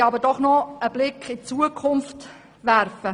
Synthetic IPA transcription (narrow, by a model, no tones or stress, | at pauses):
ɑbədɔχnɔəb̥lɪkχɪt͡suəkʰʊnft | ʋæɾfə